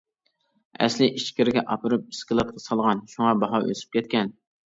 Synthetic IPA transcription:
ɛ̰slɪʔit͡ʃkʲɪɾɪɡʲɛʔɑpɨɾɨp̚i̥skʲɨlˠɑt̪̚qʰɑsɑlˠʁɑnʃuŋɑbɑɦɑʔø̰sy̥p̚kʲɛt̪̚kʲɛn

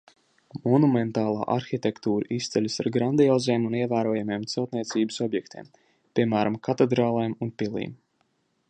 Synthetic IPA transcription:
mɔnument̪aːlˠa̰ːʔaɾxit̪ɛkt̪uːɾɨʔist̪sɛlʲisaɾɡɾand̪iɔːzejmuniɛvæːɾuɔjameɛmt̪sɛlˠt̪niɛt̪siːbəsɔbjɛk̚t̪ʰḭːm | pʲiɛmæːɾamkʰat̪ed̪ɾaːlˠajmunpilˠḭːm

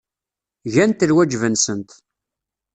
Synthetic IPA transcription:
ʝænt̪əlwæd͡ʒvənsənt̪

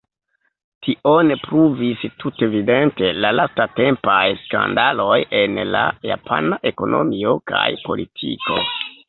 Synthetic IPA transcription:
tʰiʔonpɾuvistʰutevide̞nte̞lalastate̞mpajska̰ndalo̞je̞nla̰japʰa̰naʔe̞ko̞nʔo̞̰mio̞kʰa̰jpo̞̰litʰḭko̞̰

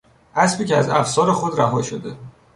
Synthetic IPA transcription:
ʔæsbiːceæzæfsɒːɾexod̪ɾæɦɒːʃod̪e̞

